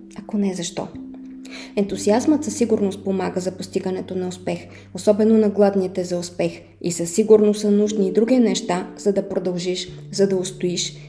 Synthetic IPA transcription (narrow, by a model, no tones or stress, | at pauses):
ɐkonɛzɐʃt̪ɔ̰ | ɛnt̪uziazmət̪səsːiɡʊɾnost̪̚pomaɡəzɐpost̪iɡənɛt̪onɐospɛx | osɔbɛnonɐɡlˠad̪nit̪ɛzɐʊspɛx | ḭsəsːiɡuɾnosənuʒniːd̪ɾuɡ̟inɛʃt̪az̥ɐd̪ɐpɾod̪ɐlˠʒiʃzɐd̪ɐost̪oiʃ